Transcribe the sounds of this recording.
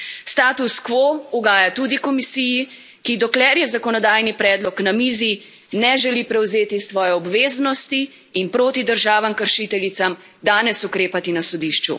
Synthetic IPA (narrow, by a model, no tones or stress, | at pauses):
st̪aːt̪uskʋouɡaːjat̪uːd̪ikɔmisiːji | kid̪ɔklɛɾjɛzakɔnɔd̪aːjnipɾɛːd̪lɔknamiːzi | nɛʒɛlipɾɛwzeːt̪isʋɔːjɛɔbʋeːznɔst̪iː | npɾoːt̪id̪əɾʒaːʋamkəɾʃit̪ɛlit̪sam | d̪aːnɛsukɾeːpat̪inasɔd̪iʃt͡ʃṵ